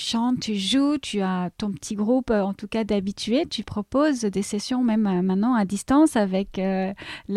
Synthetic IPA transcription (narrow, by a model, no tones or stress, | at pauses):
ʃɑ̃t̪ːyʒut̪ʰyat̪ɔ̃pə̥t̪ʰiɡʁupøɑ̃t̪ukad̪abit̪ʰyet̪ypχɔpozd̪esɛsjɔ̃mɛmmɛ̃t̪nɑ̃ad̪ist̪ɑ̃savɛkøl